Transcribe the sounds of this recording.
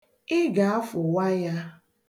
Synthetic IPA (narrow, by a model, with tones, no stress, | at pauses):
ɪ˦ɡa˨a˦fʊ˨wa˦ja˦